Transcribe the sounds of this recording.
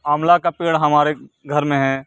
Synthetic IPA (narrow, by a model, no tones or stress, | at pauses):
aːmlakapeːɽɦɐmaːɾeɡʱɐɾmẽɦɛ̃ː